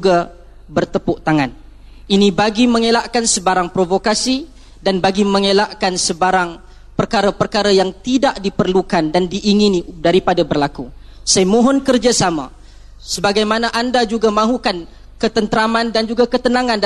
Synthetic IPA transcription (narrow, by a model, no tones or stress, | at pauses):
ɡabərt̪əpʊʔt̪aŋaninibaɡiməŋelaʔkansəbaɾaŋpɾovokasi | danbaɡiməŋelaʔkansəbaɾaŋ | pərkaɾapərkaɾajaŋt̪idaʔdipərlukandandiʔːŋinidaɾipadabərlaku | sajmɔ̃ɦɔnkərd͡ʒasama̰ | səbaɡajmanaʔandad͡ʒuɡamãɦukan | kət̪ənt̪əɾamandand͡ʒuɡakət̪ənãŋãn